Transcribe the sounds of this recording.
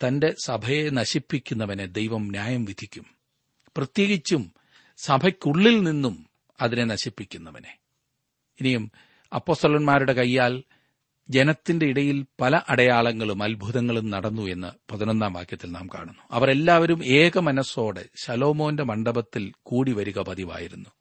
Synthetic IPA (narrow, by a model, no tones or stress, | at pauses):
t̪ɐnde̞sɐbʱɐje̞nɐɕipːikʲːunːɐʋɐned̪e̞jʋɐmnjaːjɐmʋid̪ʱikʲːum | prɐt̪je̞ːɡit͡ɕːum | sɐbʱɐkʲːuɭːilninːum | ɐðine̞nɐɕipːikʲːunːɐʋɐne̞ | inijum | ɐpːo̞ːst̪ɐlɐnmaːɾuɽe̞kɐjːaːl | d͡ʑe̞nɐt̪ːinde̞iɽɐjilpɐlɐʔɐɽɐjaːɭɐŋːɐɭumɐlbʱuðɐŋːɐɭumnɐɽɐnːue̞nːɐpɐðinond̪aːmʋa̰ːkjɐt̪ːilna̰ːmka̰ːɳunːu̥ɐʋɐre̞lːaːʋɐɾume̞ːɣɐmɐnɐso̞ːɽḛsɐlo̞ːmo̞ːndemɐɳɖɐbɐt̪ːilkuːɽiʋɐɾuɣɐpɐðiʋa̰ːjiɾunːu